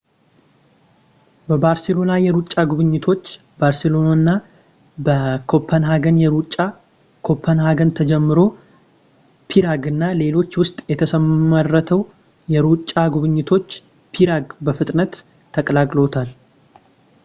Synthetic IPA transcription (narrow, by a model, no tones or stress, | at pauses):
bəbaɾse̞lo̞najɛɾut͡ʃʼːaɡuβɨɲːɪt̪ʰo̞t͡ʃː | baɾselo̞nonːa | bəkʰo̞pʰːənɦaɡənjɛɾut͡ʃʼːa | kʰo̞pʰːənhaɡənt̪ʰəd͡ʒɛmːɨɾo̞ | pʰiɾaɡɨnːale̞lo̞t͡ʃːwʊst̪ʼjɛt̪ʰəsəmːərːət̪ʰəw | jɛɾut͡ʃʼːaɡuβɨɲːɪt̪ʰo̞t͡ʃː | pʰiɾaɡbəfɨt̪ʼnət̪ʰː | əkʼəlakʼlo̞t̪ʰal